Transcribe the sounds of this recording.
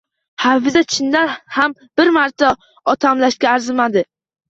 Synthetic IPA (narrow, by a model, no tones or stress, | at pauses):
hafɪzat͡ʃʰɪnd̪anhamb̥ɪɾmaɾt̪ʰːa | ɒt̪ʰamlaʃɡʲaːɾzɪmad̪ɪ